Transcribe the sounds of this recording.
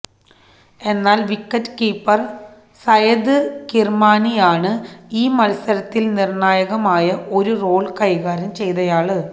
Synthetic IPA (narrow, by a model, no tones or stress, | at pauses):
e̞nːaːlʋikːɐtːɨ̥kiːpːɐr | sɐjɐd̪ɨkirmaːnijaːɳɨiːmɐlɐsɐɾɐt̪ːilnirnaːjɐɣɐmaːjɐʔo̞ɾuro̞ːɭkɐjɣaːɾɐmt͡ɕe̞jt̪ɐjaːɭɨ